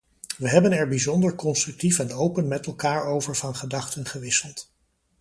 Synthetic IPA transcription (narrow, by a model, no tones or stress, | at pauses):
ʋəɦɛbənɛɹbizɔndəɹkɔnstrʏk̚tifɛnowpənmɛtɛlˠkaːɹowvəɹvɑnχədɑχtənχəʋɪsəlˠt